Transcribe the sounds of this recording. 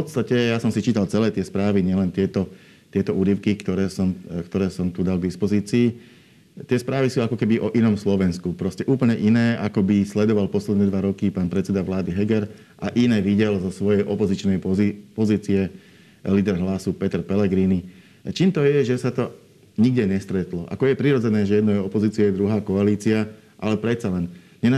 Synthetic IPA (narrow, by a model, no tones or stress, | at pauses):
fpɔt̪st̪acɛjasɔmsit͡ʃiːt̪alt͡sɛlɛːt̪ɪɛspɾaːʋiɲɪɛlɛnt̪ɪɛt̪ɔ | t̪ɪɛt̪ɔʔuːɾiʊkikt̪ɔɾɛːsɔmkt̪ɔɾɛːsɔmt̪ud̪alɡd̪ispɔziːt͡siː | t̪ɪɛspɾaːʋisuːakɔkɛbiʔɔʔinɔmslɔʋɛnskupɾɔscɛʔuːpl̩ɲɛʔinɛːʔakɔbislɛd̪ɔʋalpɔslɛd̪nɛd̪ʋaɾɔkipaːnpɾɛt̪t͡sɛd̪aʋlaːd̪iɦɛɡɛɾ | ʔaʔinɛːʋiɟɛlzɔsʋɔjɛjʔɔpɔzit͡ʃnɛjpɔziːt͡siɛ | liːd̪ɛɾɦlasupɛt̪ɛɾpɛlɛɡɾiːni | t͡ʃiːmt̪ɔjɛʒɛsat̪ɔ | ɲiɡ̚ɟɛɲɛst̪ɾɛt̪lɔʔa̰kɔjɛpɾiɾɔd͡zɛnɛːʒɛjɛd̪nɔjɔpɔziːt͡siɛd̪ɾuɦaːkɔaliːt͡sia | ʔalɛpɾɛt̪t͡salɛn | ɲɛn